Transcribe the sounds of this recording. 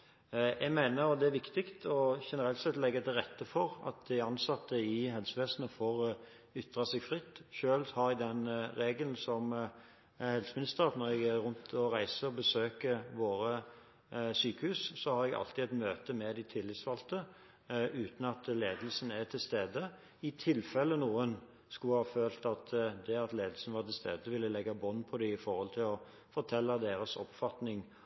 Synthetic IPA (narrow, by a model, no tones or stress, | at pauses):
jɛɡmæɪnəɾd̪ɛæɾʋɪkt̪ɪkt̪ɔʃɛnəɾɛlt̪sɛt̪lɛɡːət̪ɪɾɛt̪ːəfɔɾɑ̰t̪̚d̪ɪɑnsɑt̪ʰːəɪɦɛlsəʋeːsənəfoːʁ | ʏt̪ʁɑsɛɡfʁɪt̪ːʃøːlhɑɾɛɡd̪ɛnɾeːɡəln̩sɔm | hɛlsəmɪnɪst̪əʁɑt̪nɔɾjɛɡæɾʉnt̪ʰɔɾæɪsəɔbəsøːkəʋoːɾə | syːkəhʉːssɔhɑɾɛɡɑ̰lt̪ɪɛt̪møːt̪əmɛd̪ɪt̪ʰɪlːɪt̪sfɑlt̪ə | ʉːt̪n̩ɑt̪leːd̪əl̩sən̩æt̪ʰɪlst̪eːd̪ə | ɪt̪ʰɪlfɛlːənuːən | skʉhɑːføːlt̪ɑt̪d̪ɛɑt̪leːd̪əlsn̩ʋɑt̪ɪlst̪eːd̪əʋɪlːəlɛɡːɑbɔnːpʰɔd̪ɪɪfɔɾhɔlt̪ʰɪlɔ | fɔɾt̪ʰɛlːɑd̪eːɾəsɔpfɑt̪nɪŋ